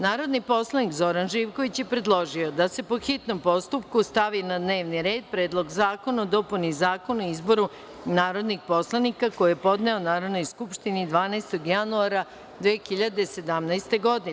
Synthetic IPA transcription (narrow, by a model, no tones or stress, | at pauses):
naːɾo̞d̪nipo̞slˠanikzo̞ɾanʒiʋko̞ʋit͡ɕjepɾe̞d̪lˠo̞ʒio̞d̪ase̞poxit̪no̞mpo̞st̪upkust̪aʋinad̪ne̞ːʋniɾe̞ːd̪̚pɾeːd̪lˠo̞ɡzaːko̞naod̪o̞punizaːko̞nuizbo̞ɾu | naːɾo̞d̪nixpo̞slˠanikako̞jjepo̞d̪ne̞onaːɾo̞d̪no̞jskupʃt̪inid̪ʋaːnajst̪o̞ɡjanuaɾa | d̪ʋeːxiʎad̪e̞se̞d̪amnajst̪e̞ɡo̞d̪in